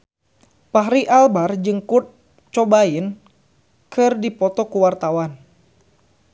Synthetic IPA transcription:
paɦɾiʔalbard͡ʒɨŋkut̪̚ | t͡ʃɔbain | kɨrdipɔt̪ɔkuwart̪awan

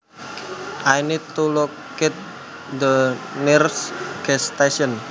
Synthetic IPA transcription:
ʔajnid̪̚t̪uluk | ɛt̪̚ | d̪ənirsɡ̥ɛst̪eʃɔn

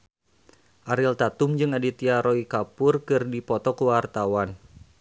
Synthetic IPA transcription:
ʔaɾilt̪at̪umd͡ʒɨŋadit̪iaɾoikapʊrkɨrdipɔt̪ɔkəwart̪awan

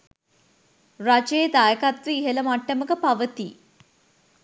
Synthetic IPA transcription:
rat͡ʃejːd̪ajəkat̪ʋiːɦeləmaʈːəməkəpaʋət̪i

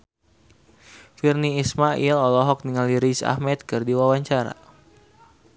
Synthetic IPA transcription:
firniːsmaʔilɔlɔɦɔk̚niŋaliɾisa̰hmɛt̪̚kɨrdiwawaɲt͡ʃaɾa̰

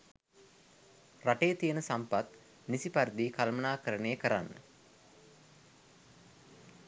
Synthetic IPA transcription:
raʈejət̪ijənəsampat̪ | nisipaɾid̪ikalmənaːkəɾənejəkəɾanːə̰

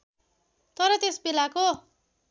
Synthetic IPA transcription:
t̪ʌɾʌt̪esbilako

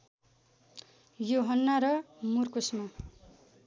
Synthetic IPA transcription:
joɦʌnːaɾʌmurkosma

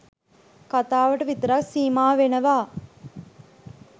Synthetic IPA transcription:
kat̪aːʋəʈəʋit̪əɾaksiːmaːʋenəʋaː

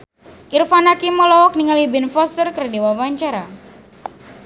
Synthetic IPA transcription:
ʔirfanakimɔlɔɔk̚niŋalibɪnfɔst̪ərkərdiwawaɲt͡ʃaɾa

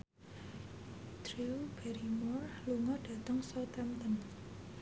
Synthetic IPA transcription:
t̪ɾiub̥ɛɾimɔrluŋɔɖ̥ä̤t̪əŋsɔt̪ɛmt̪ən

